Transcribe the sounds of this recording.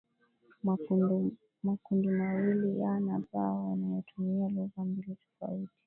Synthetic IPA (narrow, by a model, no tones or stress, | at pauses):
makundimawilijanapaɔwanajɔtʰumialɔɣambilitɔ̥fa̰iti̥